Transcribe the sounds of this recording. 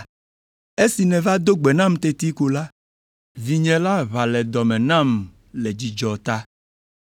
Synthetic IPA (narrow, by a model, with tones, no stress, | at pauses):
e˦si˨nɛ̃˨va˦d̪o˦ɡ͡bɛ˨nã˦mt̪e˦t̪i˦ko˨la˦ | vi˨ɲɛ̃˦la˦βa˨lɛ˨d̪ɔ˨mɛ̃˨nã˦˨m | lɛ˨d͡ʑi˨d͡ʒɔ˨t̪a˦